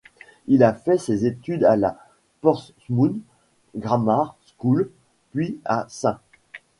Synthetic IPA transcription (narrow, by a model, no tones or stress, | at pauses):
ilafɛsezet̪yd̪ala | pɔʁs | mun | ɡʁamaʁskul | pɥiasɛ̃